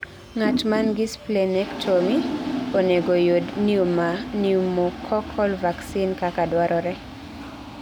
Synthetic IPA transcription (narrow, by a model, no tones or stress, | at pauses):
ŋat͡ʃmanɡɪsplenɛkt͡ʃomioneɡojodniumaniumokʰɔkʰɔlvaksinkakadwaɾʔɔɾɛ